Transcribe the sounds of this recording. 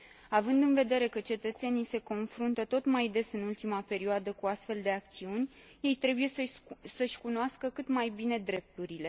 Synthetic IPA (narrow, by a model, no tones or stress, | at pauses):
avɨnd̪ɨnve̞d̪e̞ɾe̞kət͡ʃe̞t̪ət̪se̞nijse̞ko̞nfɾunt̪ət̪o̞t̪majd̪e̞sɨnult̪imape̞ɾioad̪əkuast̪fe̞ld̪e̞ak̚t̪siunʲ | je̞jt̪ɾe̞buje̞ssəʃʲkunoaskəkɨt̪majbine̞d̪ɾe̞p̚t̪uɾile̞